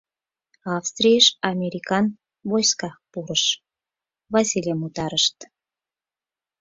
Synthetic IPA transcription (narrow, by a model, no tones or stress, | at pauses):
ɑfst̪rʲijəʃɑmʲeɾʲikɑn | βojskɑpuɾəʃ | vɑsilʲemut̪ɑɾəʃt̪